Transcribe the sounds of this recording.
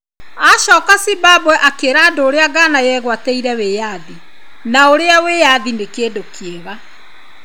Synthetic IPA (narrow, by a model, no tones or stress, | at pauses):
aɕɔːkasibabwɛʔakeɾaːndoːɾeaɡaːnajɛɣwatɛiɾɛweːjaði | naoɾeawejaðinekeːdokieɣa